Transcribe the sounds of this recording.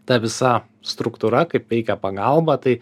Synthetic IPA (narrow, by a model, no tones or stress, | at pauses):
t̪ɐʋʲɪsɐ | st̪ɾʊkt̪uɾɐkɐɪpʋʲɛɪkʲɛpɐɡɐlˠbɐt̪ɐɪ